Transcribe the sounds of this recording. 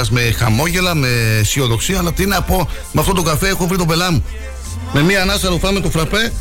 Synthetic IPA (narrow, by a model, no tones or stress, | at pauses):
ɐzme̞xɐ̰mo̞ʝe̞lɐmesio̞ðo̞ksiɐːlɐt̪iineɐpo̞ | meɐft̪ot̪o̞ɡɐfe̞exovɾit̪obe̞lɐmu | me̞miɐnɐsɐɾofɐmet̪ofɾɐpe̞